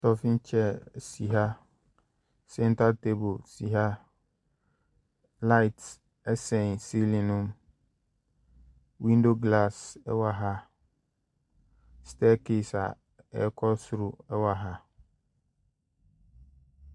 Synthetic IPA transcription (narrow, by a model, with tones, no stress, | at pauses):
tɔ˨fĩ˦n˦t͡ɕʰɛ˦˨si˨ɦa˦ | sɛ̃˦n˦tʰa˦tʰe˦bo˨lsi˨ɦa˦ | la˦ɪ˨t | ɛ˦sɛ̃˨n˨si˦lĩ˨nʊ̃˦m | wĩ˦ndo˦ɡla˦˨sɛ̰˦wa˨ɦa˦ | stʰɛ˦ke˦˨sa̰˨ | ɛ̰˨˦kʰɔ˦sʊ˨ɾʊ˦ɛ˦wa˨ɦa˦